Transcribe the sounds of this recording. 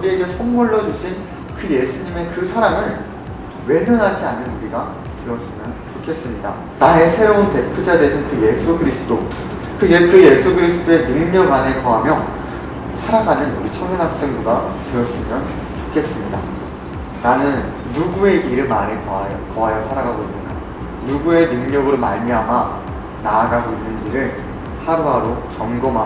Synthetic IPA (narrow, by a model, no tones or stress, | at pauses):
kʌɡieɡe̞sʰʌŋːoɭːʌd͡ʑuɕʰin | kɯje̞sʰuɲime̞kɯsʰaɾamɯɭ | we̞nɯnɦad͡ʑianːɯnuɾiɡa | tɯɾʌs͈ɯmjʌnt͡ɕokʰe̞s͈ɯmɲida̰ | nae̞sʰe̞ɾounte̞pʰud͡ʑade̞sʰɯnkɯje̞sʰuɡɯɾisʰɯd͈o | kɯjekɯje̞sʰuɡɯɾisʰɯ̥d̥oe̞nɯɭmjʌmanekʌɦamjʌ | sʰaɾaɡanɯnuɾit͡ɕʰʌmɯnɦak̚s͈eŋɡuɡatɯʌs͈ɯmjʌn | t͡ɕokʰe̞s͈ɯmɲida̰ | nanɯnː | uɡue̞ʔiɾɯmanekʌɦajʌsʰaɾaɡʱaɡoinːɯnɡa | nuɡue̞nɯŋɲʌɡɯɭomaɲiɦama | naːɡaɡoinːɯnd͡ʑiɾɯɭ | haɾuɦaɾot͡ɕʌŋɡoma